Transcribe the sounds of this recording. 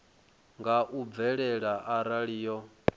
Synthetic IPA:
ŋɡaʔub̪vɛɺɛɺaʔaɾaɺiːjɔ

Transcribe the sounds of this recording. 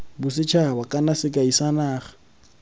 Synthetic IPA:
bʊsɪt͡ʃʰabakʼanasɪkʼaisanaːχḁ

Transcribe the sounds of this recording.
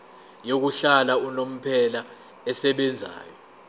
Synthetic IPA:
jok̬uɬalaunom̩pʰɛla | ɛsɛɓɛnd͡zʱa̰ːjɔ

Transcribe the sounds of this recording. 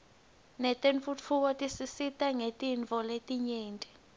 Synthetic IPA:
nɛtʼeɱfut͡fʰuk̬ɔtʼisisitʼaŋetʼiɱvʱɔletʼiɲeːntʼɛ

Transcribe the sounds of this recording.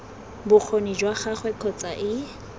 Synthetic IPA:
bʊk͡xʰonid͡ʒwaχaχwɛkʰɔt͡sʼaʔɪ

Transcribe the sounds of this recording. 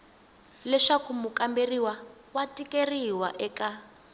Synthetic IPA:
lɛʂakumukamberiwa | watʼikeriwaʔɛka

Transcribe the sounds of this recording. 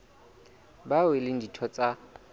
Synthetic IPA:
bawɪlɪn̩ditʰɔt͡sʼa

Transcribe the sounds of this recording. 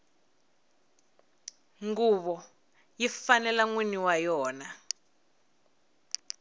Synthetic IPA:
ŋɡuβɔ | jifanɛlaŋwiniwajɔːna

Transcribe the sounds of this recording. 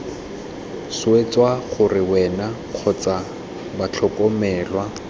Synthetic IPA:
sʊet͡swaχʊrɪwɛna | q͡χʰɔt͡sa | bat͡ɬʰɔkʼɔmɛːlwa

